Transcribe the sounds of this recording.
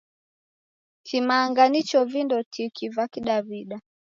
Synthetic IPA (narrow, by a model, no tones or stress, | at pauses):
kʰimaːŋɡanit͡ʃɔvindɔtʰikivakiɗaβiɗa